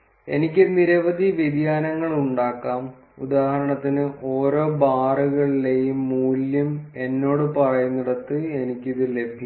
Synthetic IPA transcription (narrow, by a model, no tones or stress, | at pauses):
e̞̰nikʲːɨniɾɐʋɐd̪ʱiʋid̪jaːnɐŋːɐɭuɳɖaːkːaːm | ud̪aːhɐɾɐɳɐt̪ːinɨʔo̞ːɾo̞ːbaːruɣɐɭile̞jumːuːljɐme̞nːo̞ːɽɨpɐrɐjunːiɽɐt̪ːɨe̞nikʲːiðɨle̞bʱi